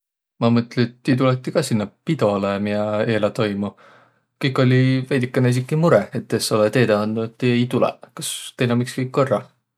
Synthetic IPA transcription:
mɑmɤt̪ːˑlet̪ːit̪ulet̪ːikɑsinːɑpid̪o̞lemijɑe̞ːlɑt̪o̞jmu | kɯjkːˑo̞lʲivæjd̪̥ʲikːˑeneis̬ikːˑimuɾɛet̪ːesːolet̪e̞ːd̪ɑɑnd̪̥uet̪ːiejt̪ulɛ̰kɑst̪ejnɑmikskɯjkːorːɑ

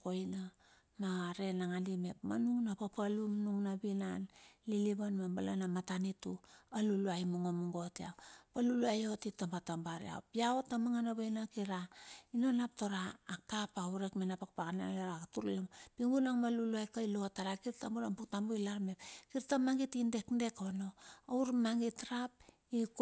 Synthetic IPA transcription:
ko̞jna | maɾe̞naŋalime̞pma̰nuŋnapapalumnuŋnabinanliliβanmambala̰namatanitualuluajmuŋomuŋɡo̞tia̰wpaluluajo̞titːambatambaɾḭa̰opiaotːamaŋanaβajnakiɾainonapto̞ɾaːk̚tapauɾekmenapakpakanaleɾatuɾilmpiŋɡunaŋmaluluajkailotaɾakiɾtambuɾampuktambujlaɾmepkiɾtamaŋɡitinde̞knde̞kono̞awɾmaŋɡitɾap̚ | ik

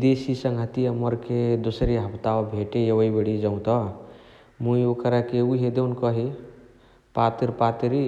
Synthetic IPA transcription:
d̪esisəŋɡʱət̪iəməɾked̪osɾiɦəpʰt̪aobʱeʈejəwəibeɽid͡ʒəʊ̃t̪ɔ | mũiokəɾakeuɦed̪eunkəɦi | pat̪ɾpat̪ɾi

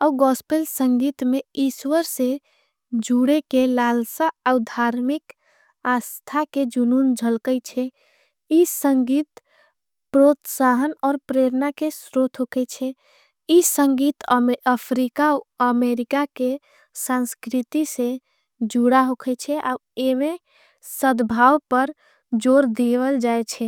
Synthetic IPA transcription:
auɡɔspelsəŋɡit̪meiswəɾse | d͡ʒuɽekelalsaːwd̪ʱaɾmik | ast̪ʰaked͡ʒunund͡ʒʱəlkəjt͡ʃʰɛ | isəŋɡit̪ | pɾot̪saɦənɔːɾpɾeɾnakesɾot̪ʰɦokʰɛt͡ʃʰɛ | isə̃ŋɡit̪əpʰɾikaoəmeɾikake | sãnskɾit̪ise | d͡ʒuɽaɦokʰɛt͡ʃʰɛʔa̰emẽ | səd̪bʱawpəɾ | d͡ʒoɾd̪ewəld͡ʒaet͡ʃʰɛ

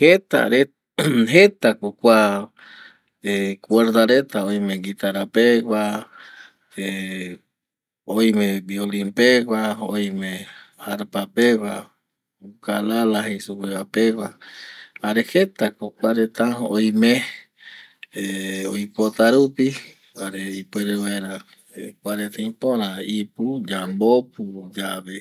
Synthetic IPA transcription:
het̪a̰ɾe | ɦet̪akokʷa | ekʷeɾd̪aɾet̪aojmẽɡit̪aɾapeɡʷa | e | ojmẽbiolimpeɡaojmẽ | aɾpapewa | ukalalahesupewapewa | aɾehet̪akokʷaɾet̪ãojmẽ | eojpot̪aɾupi | aɾeipweɾewaeɾa | kʷaɾet̪ãĩpõɾ̃ãipud͡ʒambop̚ud͡ʒaβe

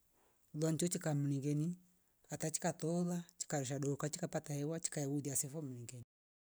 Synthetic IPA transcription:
lwant͡ʃɔt͡ʃikamuniŋɡɛni | katat͡ʃi̥katɔðat͡ʃi̥kaɾɔʃ̬aɗokat͡ʃikapataɛwat͡ʃi̥kajawuðiasɛfɔmuniŋɡɛni

